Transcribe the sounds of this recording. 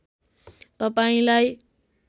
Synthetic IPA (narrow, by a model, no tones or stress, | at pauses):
t̪ʌpaĩlaj